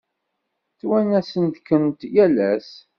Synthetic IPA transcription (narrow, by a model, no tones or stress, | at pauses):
θwænæsənt̪kənt̪jælæs